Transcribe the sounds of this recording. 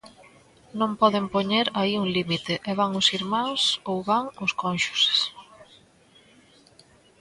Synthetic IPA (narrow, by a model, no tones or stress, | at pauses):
nõmpɔðempoɲeɾaiuŋlimit̪eʔɛβaŋʊsiɾmãŋsowβaŋʊskonʃʊ̥ss